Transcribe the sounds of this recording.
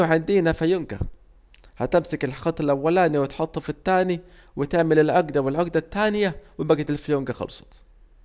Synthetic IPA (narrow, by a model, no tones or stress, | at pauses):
ʕand̪iːnafajʊnɡa̰ | hat̪ɪmsakɪlxɑt̪ˤːɪlʔawːalaːniwɪt̪ħɑt̪ˤːɑfɪt̪ːaːni | wɪt̪ɪʕmɪlɪlʕaɡd̪awɪlʕʊɡd̪at̪ːaːnɪjawɪbaɡat̪ɪlfajuŋɡaxɑ̰lsˤɑ̥t̪